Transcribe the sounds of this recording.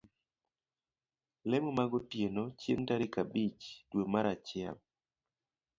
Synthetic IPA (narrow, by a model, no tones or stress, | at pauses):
lɛmomaɡɔtjenot͡ʃentaɾikabit͡ʃdwomaɾat͡ʃɪa̰l